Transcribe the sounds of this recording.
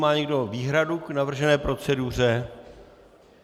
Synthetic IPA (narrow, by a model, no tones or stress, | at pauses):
maːɲɛɡdoviːɦɾaduknavr̩ʒɛnɛːpɾo̞t͡sɛdur̝ɛ